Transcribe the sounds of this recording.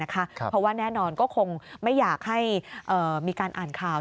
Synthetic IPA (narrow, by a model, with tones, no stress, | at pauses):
a˦˥kʰa˦˥pʰɾɔ˦˥waː˥˩nɛː˥˩nɔː˧nkɔː˥˩kʰo˧ŋma˥˩jːaː˨˩k̚ha˥˩jʔɤː˨˩miː˧kaː˧nʔaː˨˩nkʰaː˧w